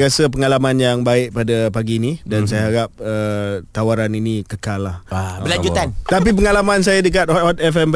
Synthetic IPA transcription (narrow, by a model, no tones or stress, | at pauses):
asəp̬əŋalamanjaŋbaɪʔ̚padapaɡinidansajaɦaɾap̚ət̪awaɾaninikəkalːahabəlad͡ʒut̪ant̪ap̬ip̬əŋalamãns̬ajadək̬at̪̚ɔt̪̚ɛfɛmp